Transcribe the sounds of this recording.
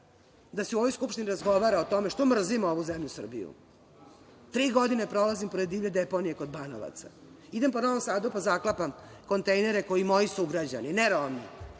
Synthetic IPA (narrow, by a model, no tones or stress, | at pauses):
d̪aseuʋo̞jskupʃt̪iniɾazɡo̞ʋaɾaot̪o̞meʃt̪omr̩zimoʋuzemʎusr̩bḭjṵ | t̪ɾiːɡo̞d̪inepɾo̞lazimpoɾed̪iːvʎed̪epo̞nije̞ko̞d̪bano̰ʋa̰t̪sa̰ | id̪e̞mpo̞noʋomsaːd̪upazaklapamko̞nt̪ejneɾe̞ko̞imo̞jisuɡɾad͡ʑanineɾaami